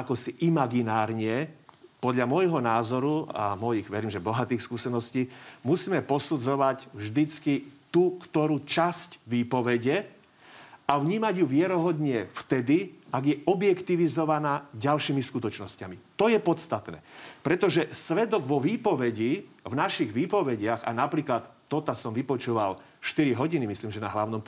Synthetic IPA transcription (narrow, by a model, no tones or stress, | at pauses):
akɔsiʔimaɡinaːɾɲɪɛpɔd̪ʎamɔjɦɔnaːzɔɾua̰mɔjiɣʋɛɾiːmʒɛbɔɦat̪iːxskuːsɛnɔsciːmusiːmɛpɔsud͡zɔʋacvʒd̪it͡skit̪ukt̪ɔɾuːt͡ʃascʋiːpɔʋɛɟɛ | avɲiːmaɟjuʋɪɛɾɔɦɔd̪ɲɪɛft̪ɛd̪iaɡjɛɔbjɛkt̪iʋizɔʋanaːɟalʃiːmiskut̪ɔt͡ʃnɔscamit̪ɔjɛpɔt̪st̪at̪nɛ̰ːpɾɛt̪ɔʒɛsʋɛd̪ɔɡʋɔʋiːpɔʋɛɟivnaʃiɣʋiːpɔʋɛɟɪaɣa̰napɾiːklat̪ːɔt̪asɔmʋipɔt͡ʃuʋa̰l | ʃt̪iɾiɦɔɟinimisliːmʒɛna̰ɦlaʊnɔm